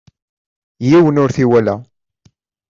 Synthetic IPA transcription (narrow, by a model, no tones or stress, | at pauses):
jiwənʊɾθiwælæ